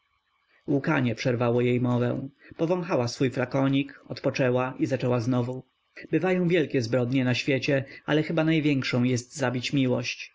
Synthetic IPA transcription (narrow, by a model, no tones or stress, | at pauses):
wukaɲɛpʂɛɾvawɔjejmɔvɛ̰̃pɔvɔ̃w̃xawasfujflakɔɲikɔt̪pɔt͡ʂɛwaʔizat͡ʂɛwaznɔvu | bɘvajɔ̃w̃vʲjɛlkʲɛzbɾɔd̪ɲɛnaɕfʲjɛt͡ɕɛa̰lɛxɘbanajvʲjɛŋkʂɔ̃w̃jɛst̪zabʲit͡ɕmʲiwɔɕt͡ɕ